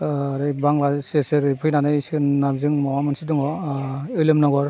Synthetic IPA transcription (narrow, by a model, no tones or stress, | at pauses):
aɾɯjbaŋlaseseɾɯjpʰɯjnanɯjsɯnabzɯŋmɔwamansidɯŋɔɯjlɯmnɔɡɔɾ